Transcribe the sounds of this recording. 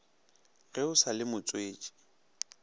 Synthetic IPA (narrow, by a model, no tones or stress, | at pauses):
ɣeʊsalɪmʊt͡sʼweːt͡ʃʼi̥